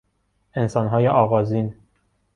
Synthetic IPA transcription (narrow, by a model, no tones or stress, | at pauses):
e̞nsɒːnɦɒːjeʔɒːɣɒːziːn